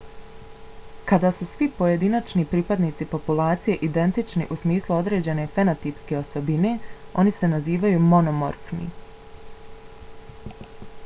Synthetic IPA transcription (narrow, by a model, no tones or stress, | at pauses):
kad̪aːsusʋipo̞je̞d̪inat͡ʃnipɾiːpad̪niːt̪sipo̞pulˠaːt̪sije̞ʔid̪e̞nt̪it͡ʃnḭʔusmiːslˠuo̞d̪ɾe̞ːd͡ʑe̞ne̞fenot̪ipske̞o̞so̞bine̞o̞nise̞naziːʋajumo̞nomo̞̰ɾfnḭ